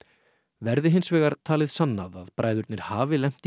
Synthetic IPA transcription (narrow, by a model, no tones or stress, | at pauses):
vɛɾðɪɦɪnsvɛːɣaɾ̥t̪ʰaːlɪðsanːaðaðpɾaːjðʏɾt̪nɪɾ̥haːvɪlɛm̥t̪